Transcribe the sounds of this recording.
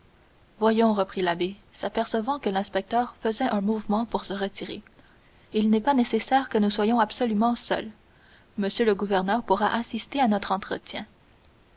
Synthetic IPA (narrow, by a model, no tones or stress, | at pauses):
vwajɔ̃ʁəpχilabesapɛʁsəvɑ̃kəlɛ̃spɛk̚t̪œːʁfəzɛʔɛ̃muvmɑ̃puʁsəʁət̪iʁe | ilnɛpanesesɛːʁkənuswajɔ̃absɔlymɑ̃sœ̰l | məsjøləɡuvɛʁnœːʁpuʁaʔasist̪eanɔt̪χɑ̃t̪χə̰t̪jɛ̃